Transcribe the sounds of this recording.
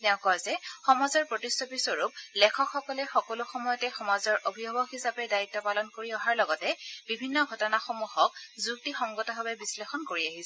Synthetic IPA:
tɛʊ̃kɔzɛxɔmazɔɹpɹotistɔpisɔɹuplɛkʰɔkxɔkɔlɛxɔkɔlʊxɔmɔjɔtɛxɔmazɔɹʔobʱibɔbɔxisapɛdaitːɔpalɔnkoɹiɔɦaɹlɔɡɔtɛbibʱinːɔɡʱɔtɔnaxomuhɔk̚zuk̚tixɔŋɡɔtɔbabɛbislexɔnkoɹiaɦisɛ

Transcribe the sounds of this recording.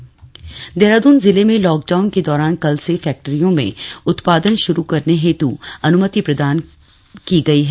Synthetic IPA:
d̪eːɾaːd̪uːnzɪlemẽlɔːk̚ɖaːʊnked̪ɔːɾaːnkɐlsefɛːk̚ʈəɾijõmḛ̃ʊt̪paːd̪ənʃʊɾukɐɾneɦeːt̪uɐnʊmət̪ipɾɐd̪aːn | kiɡɐiɦɛː

